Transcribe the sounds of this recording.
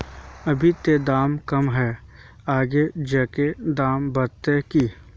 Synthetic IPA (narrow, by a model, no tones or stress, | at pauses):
ɐbʱit̪ed̪aːmkɐmɦɛː | aːɡed͡ʒɛked̪aːmbɐɾt̪eki